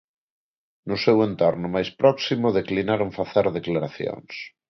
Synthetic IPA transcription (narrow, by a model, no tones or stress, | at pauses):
nʊsewent̪oɾnʊmajspɾɔksimʊðeklinaɾoŋfaθeɾðeklaɾaθjo̰ŋs